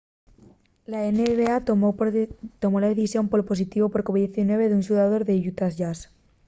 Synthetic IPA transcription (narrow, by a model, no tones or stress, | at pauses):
laeneβea | t̪o̞molaðeθisjo̞mpolopo̞sit̪iβo̞poɾkoβidðeθinwe̞β̞eðunsuðaðo̞ɾðeʝut̪azʝas